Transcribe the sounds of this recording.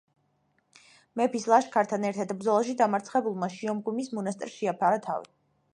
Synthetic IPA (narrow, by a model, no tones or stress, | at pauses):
mɛpʰislˠaʃkʰaɾt̪ʰanɛɾt̪ʰad̪bɾd̪zɔlˠaʃid̪amaɾt̪sʰχɛbulˠmaʃiɔmɡumismɔnast̪ʼɾʃiapʰaɾat̪ʰa̰vḭ